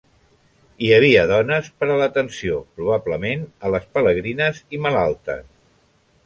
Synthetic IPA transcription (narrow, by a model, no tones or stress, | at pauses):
iəβ̞iəðɔnəspəɾələt̪ənsiopɾuβ̞abləmenələspələɣ̞ɾinəziməlalˠt̪ə̰s